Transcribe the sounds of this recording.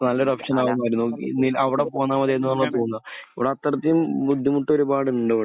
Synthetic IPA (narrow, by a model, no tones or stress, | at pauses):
nɐlːoɾɐpʂɐnaːɣumːaːɾunːkḭnilɐʋiɽepoːnːaːmɐðenːɐnaːɭːɐt̪oːunːɐɐʋiɽeɐt̪ːɐɾɐt̪ːijumbud̪ʱːimuʈːoɾubaːɽɨuɳɖoʋ